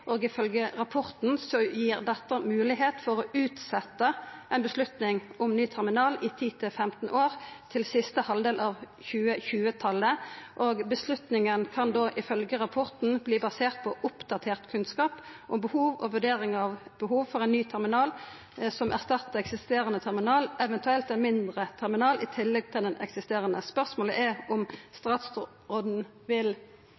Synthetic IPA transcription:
ʔoːɡɪfœlɡəʁɑpʰɔʁt̪n̩sɔjiːʁd̪ɛt̪ːəmʉːlɪɦeːt̪fɔʁɔʉːt̪sɛt̪ːəʔɛɪnbəslʉt̪nɪŋʊmnyːt̪ʰæʁmɪnɑːlɪt̪ʰiːt̪ʰɪlfɛmt̪n̩ʔoːʁt̪ʰɪlsɪst̪əhɑld̪eːlʔɑːʋ | çʉːəçʉːət̪ʰɑlːəʔoːɡbəslʉt̪nɪŋənkʰɑnd̪oːʔɪfœlɡəʁɑpʰɔʁt̪n̩bliːbɑseːʁt̪̚pʰɔʔʊpd̪̥ɑt̪ʰeːʁt̪kʰʉnskɑːpʔʊmbəhuːʋɔ̰ʋʉɖeːɾɪŋɑʋbəɦuːʋfɔʁɛɪnnyːt̪ʰæʁmɪnɑːl | sɔmʔæʁst̪ɑt̪ːəɛksɪst̪eːʁənət̪ʰæʁmɪnɑːlɛʋɛnt̪ʉɛlt̪ɛnmɪnd̪ʁət̪ʰɛʁmɪnɑːlɪt̪ʰɪlːɛɡ̚t̪ʰɪld̪ɛnʔɛ̰ksɪst̪eːʁənəspœʁsmoːləʔæʊmst̪ʁɑːt̪s | ʁoːd̪n̩ | ʋɪl

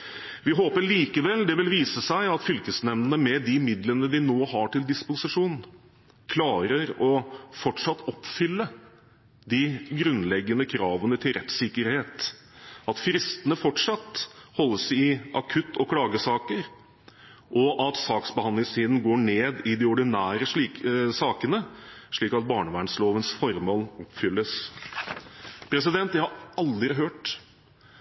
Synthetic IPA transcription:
ʋɪɦoːpəɭiːkəʋɛld̪ɛʋɪlʋiːsəsæɪɑt̪fʏlkəsnɛmnənəmɛd̪ɪmɪd̪lənəd̪ɪnoːhɑʈʰɪld̪ɪspʊsɪʂuːn | kʰlɑːɾəɾɔfɔʈʂɑt̪ːɔpfʏlːə | d̪ɪɡɾʉnlɛɡːənəkʰɾɑːʋənət̪ʰɪlɾɛt̪sɪkːəɾheːt̪ | ɑt̪fɾɪst̪ənəfɔʈʂɑt̪hɔlːəsɪʔɑkʰʉt̪ːɔkʰɽɑːɡəsɑːkəɾ | ʔɔʔɑt̪sɑːksbəhɑnd̪ɪŋst̪ʰiːd̪n̩ɡoːɳeːd̪ɪd̪ɪɔɖɪnæːɾəʂisɑːkənəʂɭiːkɑt̪̚bɑːɳəʋæːɳsloːʋənsfɔɾmoːlɔpːfʏlːəs | pʰɾɛs̬ɪd̪ɛnt̪jæɪhɑɾɑld̪ɾɪɦøːʈ

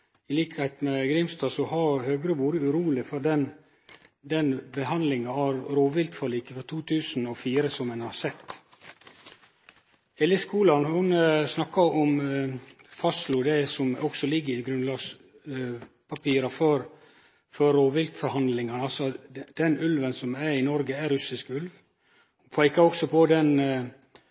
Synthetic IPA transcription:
ɪliːkəhɛɪt̪mɛɡɾɪmst̪ɑːsɔɦɑɾhøːɡɾəʋuːɾəʉɾuːlɪfɔɖɛn | d̪ɛnbəɦɑnd̪lɪŋɑɑʋɾoːʋɪlt̪fɔliːkəfɔɾt̪ʰuːt̪ʰʉːsn̩ɔfiːɾəsɔmɛnhɑɾsɛt̪ː | ɛːləskuːlɑnhʊnsnɑkːɑɔm | fɑslʊd̪ɛsɔmɔksɔlɪɡːəɾɪɡɾʉnlɑːɡs | pʰɑpiːɾɑfɔɾ | fœɾoːʋɪlt̪fɔɾhɑnd̪lɪŋɑnɑlsɔd̪̥ɛnʉlʋənsɔmæɾɪnɔɾɡəæɾʉsɪskʉlʋ | hʊnpʰæɪkɑɾɔksɔpʰɔd̪ɛn

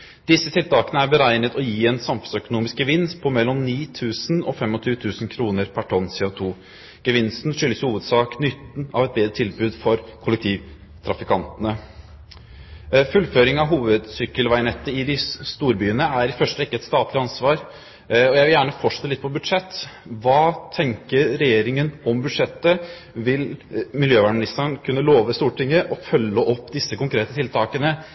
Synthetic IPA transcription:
d̪̥ɪsːət̪ʰɪlt̪ɑːkənəæɾbəɾæɪnət̪ɔjiːɛnsɑmfəsœkʊnuːmɪsk̚ɡəʋɪnspʰɔmɛlːɔmniːt̪ʰʉːsnɔfɛmːɔt̪ʰyːt̪ʰʉːsnkʰɾuːnəɾpʰæʈʰɔnsɛɔt̪ʰuː | ɡ̥əʋɪnst̪n̩ʂʏlːəshuːʋəd̪sɑːknʏt̪ːn̩ɑʋɛt̪̚beːd̪ɾət̪ʰɪlbʉːd̪fɔɾkʰʊlːɛk̚t̪ʰiːʋ | t̪ʰɾɑfɪkʰɑnt̪ənə | fʉlføːɾɪŋɑʋɦuːʋəd̪sʏkːəlʋæɪnɛt̪ːəɪd̪ɪst̪uːɾbyːənəæɾɪfœʂəɾɪkːəɛt̪st̪ɑːt̪lɪɑnsʋɑːɾ | ɔjæɪʋɪljæːɳəfɔʂɛt̪əlɪt̪̚ːpʰɔbʉd̪ʂɛt̪ːʋɑːt̪ʰɛŋkəɾːɛjeːɾɪŋənɔmbʉd̪ʂɛt̪ːə | ʋɪlmɪljøːʋɑːɳmnɪst̪əɳkʰʉnːəloːʋəst̪uːʈɪŋːəʔɔfœlːəʔɔpːd̪ɪsːəkʊŋkɾeːt̪ət̪ʰɪlt̪ʰɑːkənə

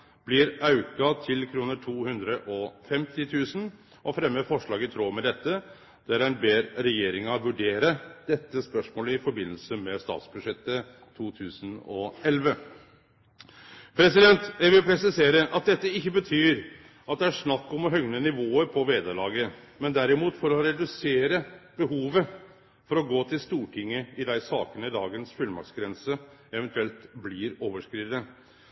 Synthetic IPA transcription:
b̥lɪɾɑʉkɑt̪ʰɪlkʰɾuːnəʈʰuːhʉnd̪ɾəʔɔfɛmt̪ɪt̪ʰʉːsn̩ | ʔɔfɾɛmːəfɔʂɭɑːɡət̪ʰɾoːmɛd̪ɛt̪ːə | d̪̥ɛæɾæɪnbeːɾɾɛjeːɾɪŋɑʋʉɖeːɾəd̪̥ɛt̪ːəspœʂmoːləɪfɔɾbɪnːəlsəmɛst̪ɑ̰ːt̪sbʉd̪ʂɛt̪ːə | t̪ʰuːt̪ʰʉːsənɔɛlʋə | pʰɾɛsɪd̪ɛnt̪jæɪʋɪlpʰɾɛsɪseːɾəʔɑt̪̚d̪ɛt̪ːəɪçːəbət̪ʰyːɾ | ɑt̪̚d̪ɛæʂnɑkːɔmɔɦœŋnənɪʋoːəɾpʰɔʋeːd̪əɭɑːɡəmɛnd̪æɾɪmuːt̪fɔɾɔɾɛd̪ʉseːɾəb̥əɦuːʋə | fɔɾɔɡoːt̪ʰɪlst̪uːʈʰɪŋːəɪd̪æɪsɑːkənəɪd̪ɑːɡənsfʉlmɑ̰ksɡɾɛnsə | ɛʋɛnt̪ʰʉɛlt̪blɪɾoːʋəʂkɾiːʋnə

